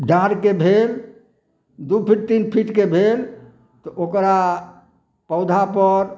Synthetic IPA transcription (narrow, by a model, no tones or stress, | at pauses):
ɖãɾkebʱel | d̪upʰiʈ̚t̪inpʰiʈkebʱel | t̪ɔʔokɾa | pəʊd̪ʱapəɾ